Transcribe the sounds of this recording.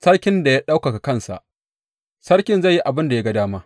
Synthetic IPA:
sɐ˦ɽkʲɪ˦nda˨ja˦ɗa˦wka˨ka˨kɐ˦˨nsa̰˨ʔ | sɐ˦ɽkʲɪ˦nzɐ˦˨jːi˦ʔa˨bɪ˦nda˨ja˦ɡɐ˦daː˦maː˦

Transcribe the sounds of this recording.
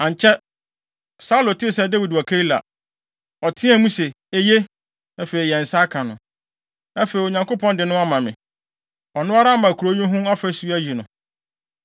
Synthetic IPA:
ã˨ɲ˨t͡ɕʰɛ˦ | sa˦u˦lo˨tɪ˦˨sɛ˦de˦wi˨dɔ˨kʰe˦i˦la̰˨ | ɔ˨tʰɪ̃˦ɛ̃˨˦mũ˦sɛ˨ | e˦je˦ | ɛ˦fe˨i˨jɛ˨n̩˨sa˦kʰã˨nʊ̃˨ | ɛ˦fe˨i˨o˨ɲã˨ŋko˦pʰɔ̃˦ndɪ˨nʊ̃˦a˦mã˨mɪ̃˨ | ɔ˨nʊ̃˦a˦ɾa˦mã˨kʰu˨ɾo˦ɲʊ̃˦ɦʊ̃˦a˦fɛ˦su˦æ˦d͡ʑi˨nʊ̃˨

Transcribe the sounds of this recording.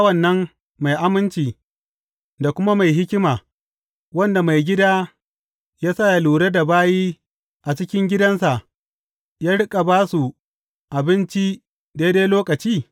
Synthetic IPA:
a˦wɐ˨nːɐ˦m | ma˨jʔa˦mɪ˦nt͡ʃiː˨ | da˨kʷʊ˦ma˦ma˨jɦɪ˦kʲɪ˦maː˨ | wɐ˦nda˨ma˨jɡʲɪ˦daː˦ | jaː˦sa˦˨ja˦luː˨ɽe˦da˨baː˦jiː˦ | ʔa˨t͡ʃɪ˦kʲɪ˦ŋɡʲɪ˦dɐ˦nsa˨ʔ | jaː˦ɽʊ˦kʼa˨baː˦su˨ | ʔa˨bɪ˦nt͡ʃi˦ | daː˦deː˦jloː˦kɐ˨t͡ʃiː˦˨

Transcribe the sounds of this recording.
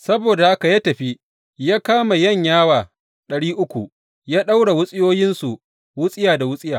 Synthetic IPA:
sɐ˦boː˨da˨ha˦ka˨jaː˦tɐ˨ɸi˦ | jaː˦kaː˦ma˨jɐ˦˨ɲjaː˦waː˨ | ɗɐ˨ɽiː˦ʔʊ˦kʷu˨ | jaː˦ɗa˦wɽa˨wʊ˦sʼɪ˦joː˦jɪ˦nsu˨ | wʊ˦sʼɪ˦jaː˨da˨wʊ˦sʼɪ˦jaː˨

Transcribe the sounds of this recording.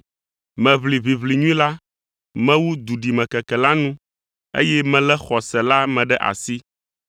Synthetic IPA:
mɛ̃˨βli˨vi˨βli˨ɲũ˦ĩ˦la˦ | mɛ̃˦wu˦d̪u˨ɖi˨mɛ̃˨kɛ˨kɛ˨la˦nũ˦ | ḛ˦jɛ˦mɛ̃˨lɛ˦xɔ˨sɛ˨la˦mɛ̃˨ɖɛ˦ʔa̰˨si˦

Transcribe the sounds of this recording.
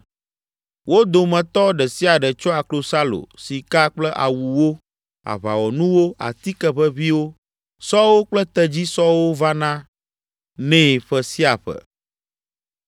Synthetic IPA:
wo˦d̪o˨mɛ̃˨t̪ɔ˦ɖɛ˨si˦a˨ɖɛ˨t͡ʃɔ˦a˨klo˨sa˦lo̰˨si˨ka˦k͡plɛ˦ʔa̰˨wu˨wo˦ | a̰˨βa̰˨wɔ˨nũ˦wo˦a̰˨t̪i˦kɛ˦ɸə˦βi˦wo˦ | sɔ˦wo˦k͡plɛ˦t̪ɛ˦d͡ʑi˦sɔ˦wo˦va˦nã˦ | nɛ̃˦˨ɸɛ˦si˦a˨ɸɛ̰˨

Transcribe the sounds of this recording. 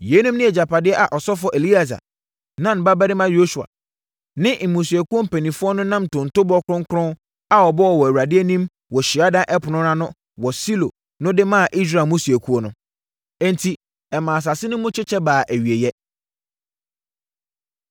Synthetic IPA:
je˨˦nũ˦mnɪ̃˦ɛ˨d͡ʑa˨pʰa˨dɪ˦ɛ˦ʔa˨ʔɔ˨sɔ˦fʊ˦ɔ˦ʔe˨li˦a˨s̬a̰˨ | nã˦m˨ba˦bæ˦ɾɪ˦mã˦jo˦su˨a̰˨ | nɪ̃˦m̩˨mõ˨su˨æ˨ku˦ɔ˦m̩˦˨pʰe˨nĩ˨fʊ˦ɔ˦nʊ̃˦nã˦m˨tʰõ˨n̩˨to˦bɔ˦kʰɾʊ̃˦ŋkʰʊ˦ɾʊ̃˦n | a˨ɔ˨bɔ˦wɔ˨wɔ˨æ˨wa˨dɪ˦ɛ˦nĩ˦m | wɔ˨ɕi˨a˦dã˦ʔɛ˦pʰʊ˨nʊ̃˦ɾã˦nʊ̃˦ | wɔ˨si˦lo̰˨ | nʊ̃˦dɪ˦mãː˦a˨ʔi˦s̬ɾa˨mõ˦si˨e˨kʰu˦ɔ˦nʊ̃˦ | ɛ̃˦ntʰi˨ | ɛ˨mãː˨s̬a˨sɪ˦nʊ̃˦mʊ̃˦t͡ɕʰᶣɪ˦t͡ɕʰɛ˦baː˨ʔæ˨ɥi˨e˨jɛ˦

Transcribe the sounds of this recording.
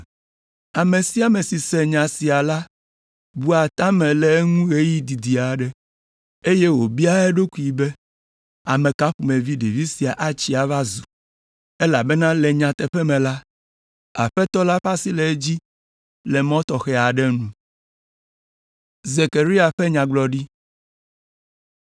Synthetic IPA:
a˨me˨si˦a˨me˨si˨sɛ˨ɲã˨si˨a˨la˦ | bu˦a˨t̪ã˦mɛ̃˨lɛ˨˦ŋũ˦ɣe˦ji˦d̪i˨d̪i˨a˨ɖɛ˦ | e˦je˦wo˨bi˦a˦ɛ˦ɖo˦ku˦i˨be˦ | a˨mɛ̃˨ka˦ɸu˨mẽ˨vi˦ɖi˨vi˦si˨a˨ʔa˦t͡ɕi˦a˨va˦zu˨ | e˦la˨bɛ˦nã˦lɛ˨ɲã˨t̪ɛ˨ɸɛ˦mɛ̃˨la˦ | a̰˨ɸɛ˦t̪ɔ˦la˦ɸa˦si˦lɛ˨˦e˦d͡ʑi˦ | lɛ˨mɔ̃˦t̪ɔ˨xɛ˦a˨ɖɛ˦nũ˦ | ze˨ke˨ɾi˦a˨ɸɛ˦ɲã˨ɡ͡blɔ˨ɖi˦

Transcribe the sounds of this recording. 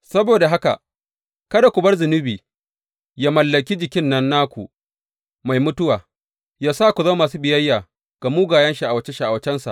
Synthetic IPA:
sɐ˦boː˨da˨ɦa˦ka̰˨ʔ | kɐ˦da˨kʷʊ˨bɐ˦rzʊ˨nɪ˦biː˨ | ja˦mɐ˨lːɐ˨kʲi˦d͡ʒɪ˨kʲɪ˦nːɐ˦nːaː˦kʷṵ˨ | ma˨jmʊ˦tʊ˦waː˨ | jaː˦saː˦˨kʷu˨za˦maː˨s̬uː˦bɪ˨jɐ˦jːaː˨ | ɡ̥a˨muː˦ɡaː˨jɐ˦nʃi˦ʔa˨wɐ˦t͡ʃe˦ʃi˨ʔa˨wɐ˨˦t͡ʃɛ˦nsa̰˨ʔ

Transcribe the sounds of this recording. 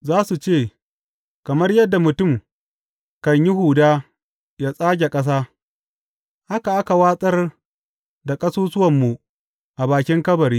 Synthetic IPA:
zaː˦su˨t͡ʃeː˦˨ | kɐ˨mɐ˦rjɐ˦dːa˨mʊ˨tʊ˦˨m | kɐ˨ɲji˦ɦuː˨daː˦ | jaː˦sʼaː˦ɡʲe˨kʼɐ˦s̬aː˦ | ha˦ka˨ʔa˦ka˨waː˦sʼɐ˦r | da˨kʼɐ˦suː˦sʊ˦wɐ˨mːu˨ | ʔa˨baː˨kʲɪ˦ŋkɐ˦bɐ˨ɾiː˦

